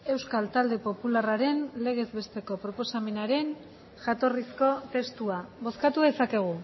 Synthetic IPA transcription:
e̞wskalt̪ald̪e̞po̞pularaɾe̞nle̞ɣ̞e̞zβe̞st̪e̞ko̞pɾo̞po̞same̞naɾe̞n | ʝat̪o̞risko̞t̪e̞st̪uaβo̞skat̪uðe̞sake̞ɣ̞u

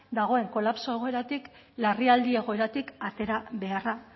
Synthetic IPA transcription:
d̪aɣ̞o̞e̞ŋko̞lapso̞eɣ̞o̞e̞ɾat̪ik | lariald̪ie̞ɣ̞o̞e̞ɾat̪ikat̪e̞ɾaβe̞ara

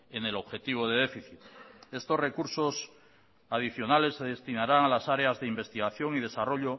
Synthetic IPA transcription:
ene̞lo̞βxe̞t̪iβ̞oð̞e̞ðe̞fiθit̪e̞st̪o̞sre̞kuɾso̞s | að̞iθjo̞nale̞sːe̞ðe̞st̪inaɾaŋalasaɾeazðeimbe̞st̪iɣ̞aθjo̞ŋið̞e̞saro̞ʎo

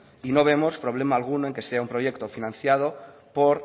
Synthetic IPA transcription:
inoβ̞emospɾoβ̞lemaːlɣ̞unoeŋkeseaumpɾojekt̪ofinãn̟θjað̞o | poɾ

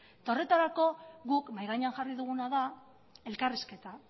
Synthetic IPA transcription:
t̪o̞re̞t̪aɾako̞ɣukmajɣaɲeanʝariðuɣunaða | e̞lkariske̞t̪a

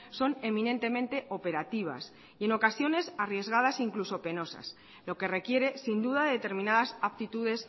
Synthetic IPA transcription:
so̞ne̞minẽ̞nt̪e̞mẽ̞nt̪e̞ʔo̞pe̞ɾat̪iβ̞a̰s | ie̞no̞kasjo̞ne̞sarje̞zɣað̞asiŋkluso̞pe̞no̞sa̰s | lo̞ke̞re̞kje̞ɾe̞sind̪uðaðe̞t̪e̞ɾmĩnaðasapt̪it̪uðe̞s

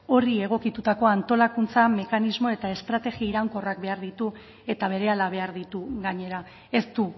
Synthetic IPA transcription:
o̞rie̞ɣ̞o̞kit̪ut̪ako̞ant̪o̞lakunt͡same̞kanizmo̞e̞t̪ae̞st̪ɾat̪e̞ɣiaiɾaŋko̞rak̚be̞aɾðit̪u | e̞t̪aβ̞e̞ɾe̞alaβ̞e̞aɾðit̪uɣaɲe̞ɾa | e̞st̪u

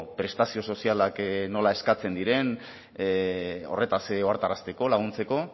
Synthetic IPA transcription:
pɾe̞st̪asio̞so̞sialakno̞lae̞skat͡se̞nd̪iɾe̞n | o̞̰re̞t̪aseoaɾt̪arast̪e̞ko̞laɣ̞unt͡se̞ko̞

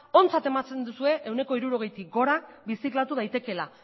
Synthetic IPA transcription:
o̞nt͡sat̪e̞mat͡se̞nd̪usue̞ʔewne̞ko̞iɾuɾo̞ɣ̞e̞jt̪ik̚ɡo̞ɾaβisiklat̪uð̞ajt̪e̞ke̞la

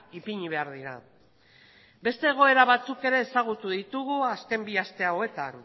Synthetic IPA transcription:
ipiɲiβe̞aɾðiɾa̰ | be̞st̪e̞ːɣ̞o̞e̞ɾaβat͡suke̞ɾe̞ːsaɣ̞ut̪uðit̪uɣuaske̞mbiast̪e̞aoe̞t̪a̰n

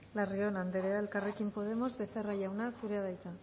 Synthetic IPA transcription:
lario̞nand̪eɾeae̞lkare̞kimpo̞ð̞e̞mo̞zβe̞θeraʝawnasuɾeaðajt̪a

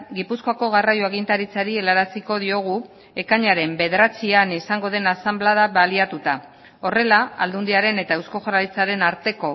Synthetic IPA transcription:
ɡipuskoako̞ɣ̞arajoaɣint̪aɾit͡saɾie̞laɾasiko̞ðio̞ɣ̞u | e̞kaɲaɾe̞mbe̞ð̞eɾat͡sianisaŋɡo̞ð̞e̞nasamblaðaβaliat̪ut̪a | o̞re̞laald̪und̪iaɾe̞ne̞t̪aewsko̞ʝoɾalit͡saɾe̞naɾt̪e̞ko̞

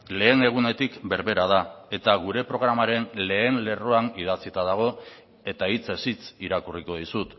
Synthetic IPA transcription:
le̞ːne̞ɣ̞une̞t̪ikbe̞ɾβe̞ɾaðae̞t̪aɣuɾe̞pɾo̞ɣ̞ɾamaɾe̞nle̞ːnle̞roanið̞at͡sit̪að̞aɣ̞o̞ | e̞t̪ait͡se̞sit͡siɾakuriko̞ð̞isut̪

